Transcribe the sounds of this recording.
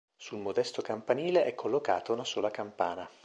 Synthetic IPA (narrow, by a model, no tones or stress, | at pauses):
sulmod̪ɛst̪okampaniːleʔɛkʰːolːoka̰ːt̪ounasoːlakampaːna